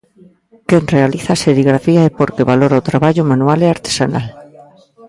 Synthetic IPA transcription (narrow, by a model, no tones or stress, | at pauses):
kenrealiθaseɾiɣɾafiaepoɾkeβaloɾaot̪ɾaβaʎumãnualeaɾt̪e̥sana̰l